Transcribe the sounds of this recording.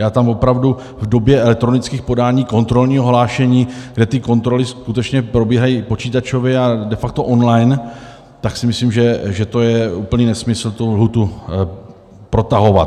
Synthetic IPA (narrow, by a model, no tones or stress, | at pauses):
jaːt̪amvo̞pɾavdu | vdo̞bjɛɛlɛk̚t̪ɾo̞nɪt͡skiːxpo̞daːɲiːko̞nt̪ɾo̞lɲiːɦoɦlaːʃɛɲiːɡdɛt̪ɪko̞nt̪ɾo̞lɪskut̪ɛt͡ʃɲɛpɾo̞biːɦajipo̞t͡ʃiːt̪at͡ʃovjɛadɛfak̚t̪oʔonlajn | t̪aksɪmɪslimʒɛʒɛt̪o̞jɛuːpl̩ɲiːnɛsmɪsl̩t̪ulɦut̪u | pɾo̞t̪aɦo̞va̰t̪